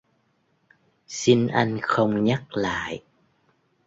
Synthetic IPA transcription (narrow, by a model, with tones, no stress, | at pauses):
si˧nʔa˧jŋ̟xə˧wŋ͡mɲa˦˥k̚la̰ː˧˨j